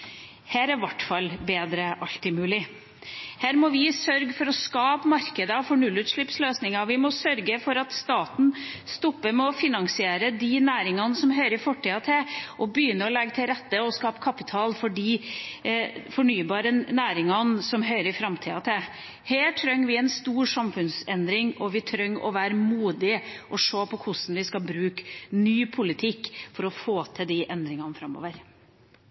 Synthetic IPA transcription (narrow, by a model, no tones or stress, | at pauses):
hæːɾæɾʋɑʈːfɑlːbeːd̪ɾəʔɑlt̪ɪmʉːlɪ | hæːɾmɔʋɪsœɾɡfɔɾɔskɑːpmɑɾkəd̪əfɔɳʉlːʉːt̪ʂɭɪpsløːsnɪŋɑʋɪmɔsœɾɡəfɔɾɑt̪st̪ɑːt̪n̩st̪ɔpːəɾmɛɔfɪnɑŋsɪeːɾəd̪ɪnæːɾɪŋɑnsɔmɦœʏɾɪfɔʈʰːiːɑt̪ʰɪlʔɔbəjʏnːəɔlɛɡt̪ʰɪlɾɛt̪ːəɔskɑːpkʰɑpɪt̪ʰɑːlfɔɖiː | fɔɳyːbɑːɾənæːɾɪŋɑnsɔmɦœʏɾəɾɪfɾɑmt̪ʰiːɑ̰t̪ʰɪ | heːʈʰɾœŋːʋɪɛnst̪uːɾʂɑmfʉnsɛnd̪ɾɪŋɔʋɪt̪ʰɾœŋːɔ̰ʋæːɾəmuːd̪ɪʔɔʂoːpʰɔkʰʊsn̩ʋɪskɑlbɾʉːknyːpʰʊlɪt̪ʰɪkːfɔɾɔfoːt̪ʰɛd̪iʔɛnd̪ɾɪŋɑnəfɾɑmːo̰ːʋəɾ